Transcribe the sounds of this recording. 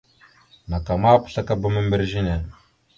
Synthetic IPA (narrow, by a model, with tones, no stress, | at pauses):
na˨ka˨ma˦pə̥˨ɬa˦ka˦ba˦mə˦mbə˦ɾʒi˦ne˨